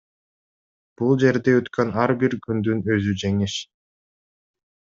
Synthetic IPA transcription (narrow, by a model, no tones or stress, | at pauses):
b̥ulˠd͡ʒe̞ɾd̪eøt̪kʰønɑɾbiɾkynd̪ynø̞zyd͡ʒe̞ŋiʃ